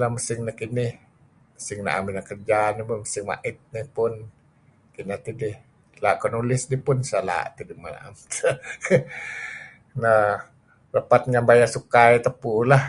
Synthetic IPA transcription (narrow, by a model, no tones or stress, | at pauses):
lahməsɪŋnəkinɪh | məsɪŋna̰ʔa̰minakərd͡ʒanibaməsɪŋma̰ʔɪt̪̚nihpʊn | kinat̪idih | laʔkɔnulɪsdipʊnsala̰ʔt̪idima̰na̰ʔa̰mt̪ | na | rəpat̪̚ŋanbajasukajt̪əpulah